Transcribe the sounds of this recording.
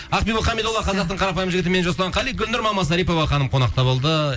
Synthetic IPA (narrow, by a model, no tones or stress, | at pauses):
ɑq̚bijmʊχɑme̞d̪uolˠːɑqʰɑzɑq̚t̪əɴqʰɑɾɑpɑjəmʒɪɡɪt̪ɪmenʒosˠʁɑɴqʰɑlijɡʲʏlnʏɾmɑmɑs̬ɑɾijpovɑχɑnəmqʰo̞nɑq̚t̪ɑbo̞lˠd̪ə